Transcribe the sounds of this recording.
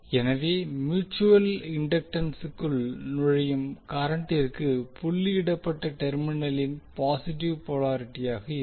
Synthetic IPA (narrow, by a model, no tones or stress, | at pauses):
ɛnɐʋeːmjuːt͡ʃːuʋɐlɪɳɖɐk̚ʈɐnsɯkːɯlnʊɻɐjɯmkaːɾɐɳʈɐɾkːɯpʊɭːɪɪɽɐpːɐʈːɐʈɛɾmɪnɐlɪnpaːsɪʈ̬ɪʋpɔɭaːɾɪʈːɪjaːɣɐɪ